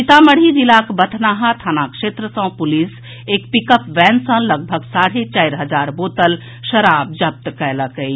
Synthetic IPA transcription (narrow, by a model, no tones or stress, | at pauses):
it̪aməɽ̤id͡ʒilakbət̪ʰnaɦat̪ʰanakʃet̪ɾəsə̃pulis | ekpikəpʋɛnsə̃ləɡ̚bʱəɡsaɽ̤ɦet͡ʃaiɾɦəd͡ʒaɾbot̪əl | ʃəɾab̚d͡ʒəp̚t̪kɛjləkəj